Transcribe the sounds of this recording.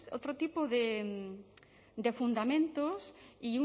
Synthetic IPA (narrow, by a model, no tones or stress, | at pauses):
o̰wt̪ɾot̪ipoðe | d̪efund̪amẽnt̪osiu